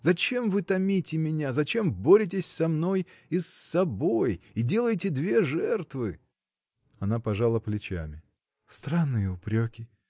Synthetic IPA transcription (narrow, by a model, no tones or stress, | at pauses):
zɐt͡ɕe̞mvɨt̪ɐmʲitʲɪmʲɪnʲazɐt͡ɕe̞mbo̞ɾʲɪt̬ʲɪsʲsɐmno̞jɪsːɐbojɪdʲe̞lˠəjtʲɪd̪vʲe̞ʐɛrt̪vɨ | ɐnapɐʐalˠəplʲɪt͡ɕa̰mʲɪ | st̪ɾanːɨjəʊpɾʲokʲɪ